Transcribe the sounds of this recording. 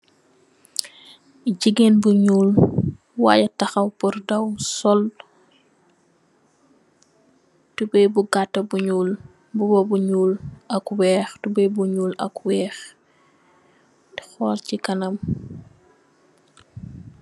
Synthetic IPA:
ɟiɡenbuɲuːl | wa̰ːjɐtɐxɐwpurdɐwsɔl | tubɛjbuɡatːɐbuɲuːl | bubɔbuɲuːlɐkwɛːxtubɛjbuɲuːlɐ̰kwɛːx | di̥xɔːlcikɐnɐm

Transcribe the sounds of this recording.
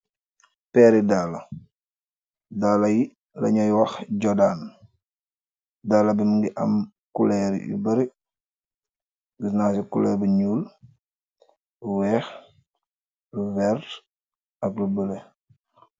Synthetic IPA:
pɛːɾidalɐ̰ | daːlɐji | lɐ̰ɲɐjwɐxɟɔdaːn | daːlːɐbimŋɡiʔɐm | kulɛɾ̰jṵbɐɾi | ɡisnasikulɛɾbəɲuːl | luwɛːx | luvɛr | ɐklubəle

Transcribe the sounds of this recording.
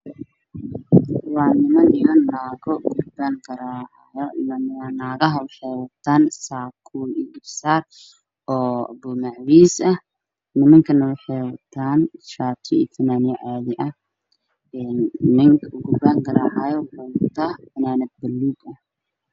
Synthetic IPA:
wɑːnɪmɐnɪmɐnːaːɣɔɡʊbaŋɡɐɾaːʕ | jɔnɐwɑːnaːɣɐɦɐwħɛjwɐt̪ʰaːnsaːkʰuːliɡɪbsaːr | ɔːbʊmaʕwiːsɐ | nɪmɐŋkʰɐnɐwɑħɛjwɐt̪ʰaːnʃaːt̪ʰɔḭt̪ʰɐnaːnɪjɐʕaːðɪʔɐh | ɛnːɪŋkʰʊɡʊbaːŋɡɐɾaːʕajɔbɔlt̪ʰɐbɐnaːnɐd̪̚bɐlːuːd̪ɐh

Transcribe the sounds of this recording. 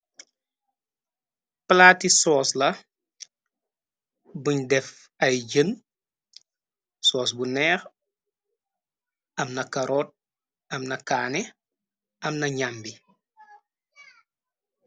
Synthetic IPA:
plaːtisɔːslɐ | buɲdɛf | ɐjɟən | sɔːs̬bunɛːx | ɐmnɐkaɾoːt̚ | ɐmnɐkaːni | ɐmnɐɲambi

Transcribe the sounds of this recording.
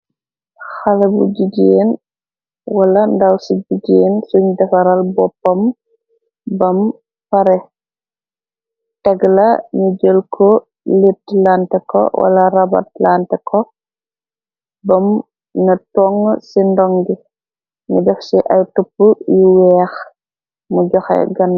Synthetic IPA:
xɐlɐbṵɟiɡeːn | wɐlɐndɐwsiɟiɡeːnsuɲdɐfɐɾɐlbɔpːɐm | bɐm | pɐɾɛ | tɛɡlɐɲuɟəlkʰɔ | litlaːntɛkɔ̰wʔɐ̰lɐɾɐbɐ̰t̚laːntɛkʰɔ | bɐm | nɐtɔŋsindɔŋɡi | ɲudɛfsiʔɐjtupːujuwɛːx | muɟɔxɛ̰ɡɐnː

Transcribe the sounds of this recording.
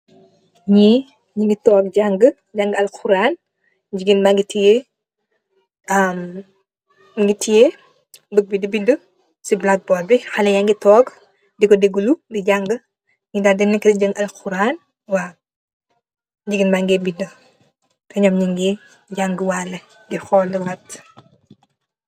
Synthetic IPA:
ɲi | ɲiŋɡitɔːk̚ɟaŋɡə | ɟaŋɡɐlkʰuɾan | ɟiɡinbaŋɡitije | am | ŋɡitije | bəɡ̚bidəbidə | siblak̚bɔbixalɛjaŋɡitɔːɡ | dikɔdeɡuludiɟaŋɡə | ŋidadɛnɛkːdiɟɐŋɡɐlxuɾaːn | waː | ɟiɡinbaːŋɡɛbində | tɛɲɔmɲiŋɡi | ɟaŋɡəwalɐ | dixɔːldiwɐt

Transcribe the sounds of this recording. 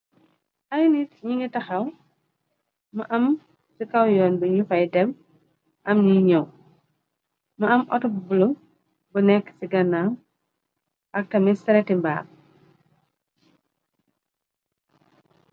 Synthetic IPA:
ʔɐjnitɲiŋɡitɐxɐw | mɐʔɐm | sikɐwjɔːnbəɲufɐjdɛm | ʔɐmɲiɲɐw | mɐɐmʔɔ̰tɔbbulum | bunɛkːsiɡɐnːan | ʔɐk̚tɐmisɐɾɛtimba̰ː

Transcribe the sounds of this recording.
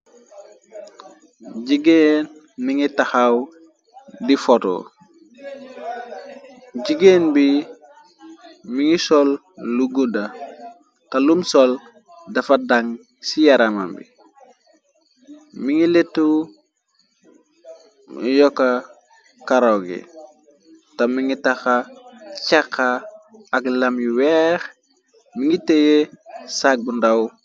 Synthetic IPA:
ɟiɡeːn | miŋitahaw | difoto̰ | ɟiɡenbi | miŋisolː | uɡuda | kalumsol | dafadaŋ | sijaɾama̰mbḭ | miŋiletu | mḭjoka | kaɾoɡḭ | tamiŋitaxat͡ʃakʰːaːklamjuwɛx | miŋitejesak̚bundaw

